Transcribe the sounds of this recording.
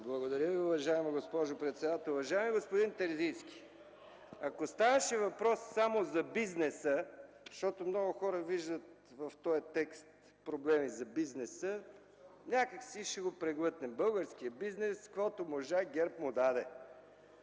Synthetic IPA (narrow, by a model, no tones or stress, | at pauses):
blˠɐɡod̪ɐɾʲəviʊvɐʒaimiɡospɔʒopɾɛt̪sɛd̪at̪ɛlˠʊvɐʒaɛmiɡospʊd̪int̪ɛɾziskʲi̥ | ɐkost̪avɐʃɛvɐpɾɔsːamozɐbiznɛsə | ʃt̪ɔt̪omnɔɡʊxɔɾəviʒd̪ət̪ | vɐft̪ɔjɐt̪ɛkst̪ | pɾoblɛmizɐbiznɛsə | nʲakəksiʃɛɡopɾɛɡlˠɤt̪nɛbɤlˠɡəɾsk̟ijəbiznɛskvɔt̪omoʒaɡʲɛɾpmod̪ad̪ɛ